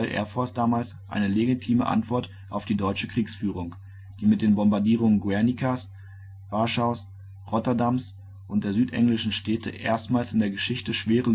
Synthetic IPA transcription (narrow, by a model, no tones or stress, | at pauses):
lʔḛɐfɔɐsd̥aːmaːlsʔa̰ɪnəleɡitʰiːməʔa̰ntv̥ɔɐt | ʔaʊfd̥iːdɔʏt͡ʃəkʁ̥iːksfyːʁʊŋ | d̥iːmɪt̚d̥eːnbɔmbaɐdiːʁ̞ʊŋənɡwɛɐnikʰas | vaɐʃaʊs | ʁɔtɐdams | ʔʊnt̚d̥eːɐzyːtʔɛ̰ŋlɪʃn̩ʃtɛːtʰə̰ʔḛːɐstmaːlsɪndeːɐɡəʃɪçtəʃv̥eːʁə